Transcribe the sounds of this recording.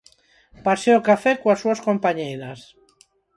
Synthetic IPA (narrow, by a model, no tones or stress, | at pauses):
paseokafɛkoasːuaskompaɲejɾas